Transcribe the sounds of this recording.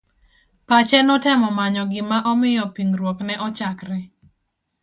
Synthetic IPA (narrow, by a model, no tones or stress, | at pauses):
pat͡ʃɛnɔtɛmɔmaɲɔɡɪmaʔɔmɪjɔpiŋɾwɔknɛʔɔt͡ʃakɾɛ